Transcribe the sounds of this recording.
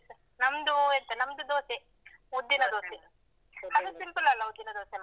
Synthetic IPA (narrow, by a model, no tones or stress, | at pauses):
sɐ | nɐmd̪uelt̪ɐnɐmd̪ud̪oːsi | ud̪ːinɐd̪oːsi | ɐd̪usimplɐlːɐud̪ːinɐd̪oːsi